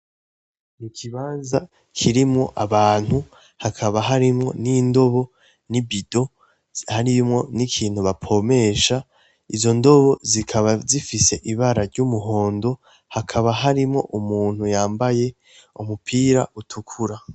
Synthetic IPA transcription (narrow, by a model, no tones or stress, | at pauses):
nikʰiβaːnza | kʰiɾimŋo̞̰ʔaβaːn̥hu | hakʰaβaɦaɾimŋo̞̰nindo̞βo̞ | nibido̞ | haɾijumŋo̞nikʰiːn̥huβapʰo̞me̞ʃa | izo̞ndo̞βo̞zikʰaβazifise̞ʔiβaɾaɾɟumuɦo̞ːndo̞ | hakʰaβaɦaɾimŋo̞ʔumuːn̥hujaːmbaje̞ | umupʰiːɾa̰ʔutʰukʰuɾa